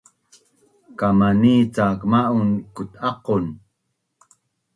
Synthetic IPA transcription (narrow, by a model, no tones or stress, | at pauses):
kamaniːt͡saːkmaʔunkut̪ɑqon